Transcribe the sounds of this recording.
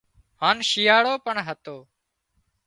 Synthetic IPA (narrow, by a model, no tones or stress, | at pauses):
haːnʃijaːɽoːpəɳɦət̪oː